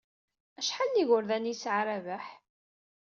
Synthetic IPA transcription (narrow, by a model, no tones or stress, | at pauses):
æʃħalːiʝʊɾðænisʕɾævæħ